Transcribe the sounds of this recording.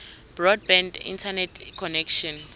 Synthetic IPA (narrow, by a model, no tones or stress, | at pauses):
b̥rɔd̚bɛ̃ndḭntʰanɛtʰkʰɔnɛkʃɔn